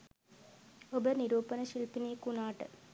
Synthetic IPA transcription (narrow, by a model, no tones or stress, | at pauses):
obəniɾuːpənəʃilpineːkunaːʈə̰